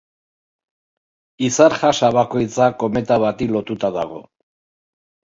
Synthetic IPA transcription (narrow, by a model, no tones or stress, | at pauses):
isaɾʝasaβako̞jt͡sako̞me̞t̪aβat̪ilo̞t̪ut̪aða̰ɣ̞o̞